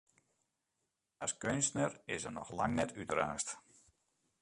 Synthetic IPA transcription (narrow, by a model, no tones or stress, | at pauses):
askønstnərɪsənɔ̰xla̰ŋnɛtʰytraːst